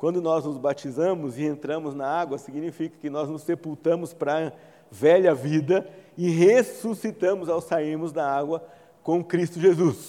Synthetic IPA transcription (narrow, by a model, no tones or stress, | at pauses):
kwɐ̃nd̪ʊnɔznʊzbat͡ʃizɐ̃mʊzɪẽnt̪ɾɐ̃mʊznɐaɡwɐsiɡinifikɐ̥kɪnɔznʊsːepuwt̪ɐ̃mʊspɾɐ | vɛʎɐvid̪ɐɪɦesusit̪ɐ̃mʊzawsaiɾmʊzd̪ɐaɡwɐ | kõw̃kɾist̪ʊʒezus